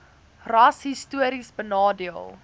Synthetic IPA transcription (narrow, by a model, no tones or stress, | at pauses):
rɐsɦistuəɾisbənɑːdiəlˠ